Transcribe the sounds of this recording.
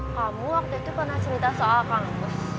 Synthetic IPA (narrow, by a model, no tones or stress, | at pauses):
kamuwak̚t̪uit̪upərnaht͡ʃəɾit̪asoʔalkaŋakʊs